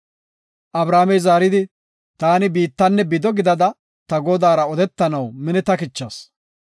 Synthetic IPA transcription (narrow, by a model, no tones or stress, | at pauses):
ʔɐbɾaːmɛjzaːɾɪd̪ɪ | t̪aːnɪbiːt̪ːɐnːɛbɪd̪ɔɡɪd̪ɐd̪ɐ | t̪ɐɡɔd̪aːɾɐɔd̪ɛt̪ːɐnɐwmɪnɛt̪ɐkɪt͡ʃːɐs